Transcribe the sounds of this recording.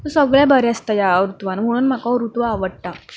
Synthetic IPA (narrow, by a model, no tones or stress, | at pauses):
t̪əsəɡɭjabʱəɾɛəst̪ajaɾut̪ʋanəm̤əɽ̃uːnm̤akaɾut̪ʋaːʋəɽʈ̪a